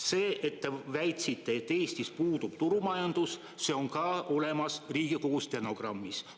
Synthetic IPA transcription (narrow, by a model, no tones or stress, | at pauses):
se̞ːʔet̪ːevæjt̪ʲsit̪ːˑe̞t̪ːe̞ːst̪ispuːd̪ub̥t̪uɾumɑjɑnd̪̥us | se̞o̞ŋkɑo̞le̞mɑsriːɡ̥iko̞ɡust̪eno̞ɡ̥rɑmːis